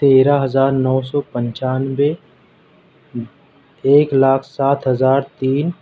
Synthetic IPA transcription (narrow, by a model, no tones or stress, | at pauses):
t̪eːɾaɦɐzaːɾnɔːsɔːpə̃ɲt͡ʃaːnwe | eːklaːkʰsaːt̪ʰɦəzaːɾt̪iːn